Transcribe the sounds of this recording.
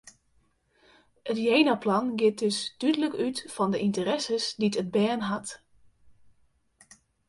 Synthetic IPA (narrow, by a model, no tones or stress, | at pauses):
ətjejnaplɑnɡɪt̚døsd̥ydələkytfɔndəʔintərɛsəsditəd̚bɛːnɦat